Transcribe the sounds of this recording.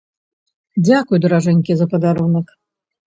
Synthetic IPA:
d͡zʲakʊjd̪ɾaʐɛnʲkʲɪzɐpɐd̪aɾunək

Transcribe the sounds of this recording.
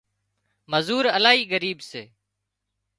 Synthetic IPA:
məzuːɾəlaːɦiːɡəɾiːbseː

